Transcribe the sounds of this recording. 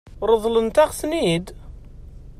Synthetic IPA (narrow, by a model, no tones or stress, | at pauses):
ɾˤəðˤlənt̪æʁsnid̪